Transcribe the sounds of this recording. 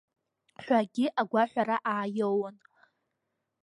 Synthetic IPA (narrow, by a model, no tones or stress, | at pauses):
ħʷaɡʲɪʔaɡʷaħʷᶣaɾaʔaːjowan